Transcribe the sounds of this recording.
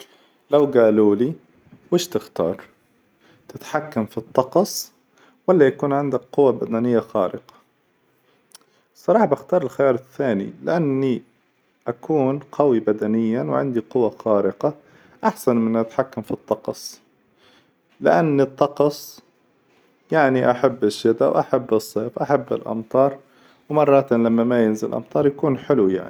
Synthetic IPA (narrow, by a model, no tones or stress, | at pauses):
lawɡaːluːli | wɪʃt̪ɪxt̪ɑ̰ːɾˤ | t̪ɪt̪ħakːamfit̪ˤːɑqɑsˤ | walːajakuːnʕɪnd̪akqʊwːabad̪anɪjːaxɑːɾɪqɑ̥ | sˤːɑɾˤɑːħɑbaxt̪ɑːɾˤɪlxajɑːɾˤɪθːaːnḭlɪ̰ʔanːi | ʔakʰuːnqawibad̪anɪjːawʕɪ̰nd̪iqʊwaxɑːɾɪqɑ | ʔaħsanmɪnʔat̪ħakːamfit̪ˤːɑqsˤ | lɪʔanːɨt̪ˤːɑqɑsˤ | jaʕniʔaħabːɪʃːɪd̪a̰wʔaħabːɨsˤːeːfʔaħabːɪ̰lʔɑ̰mt̪ˤɑːɾˤ | wmɑrˤːɑt̪nlamːamajɪnzɪlʔɑ̰mt̪ˤɑːɾˤjakuːnħɪlwja̰ʕni